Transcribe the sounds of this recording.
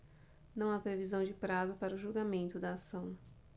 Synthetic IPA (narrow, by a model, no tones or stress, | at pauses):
nɐ̃w̃apɾevizɐ̃w̃d͡ʒɪpɾazʊpaɾɐʊʒulɡamẽnt̪ʊd̪ɐːsɐ̃w̃